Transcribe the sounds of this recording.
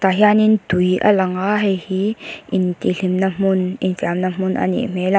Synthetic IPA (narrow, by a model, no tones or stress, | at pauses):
t̪aɦianind̪ujʔɐ̰lɐŋaɦehiint̪ilimnɐmuninsamnɐmuna̰nḭmela